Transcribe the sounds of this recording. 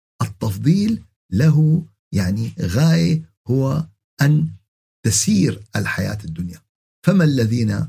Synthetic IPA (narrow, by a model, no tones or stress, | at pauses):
ʔɨt̪ːɑfðˤiːlː | aɦu | jaʕniɣaːjɪ | hʊwa | ʔan | t̪asiːɾʔɪlħaja̰ːt̪ɪd̪ːʊnja | famalːaðiːna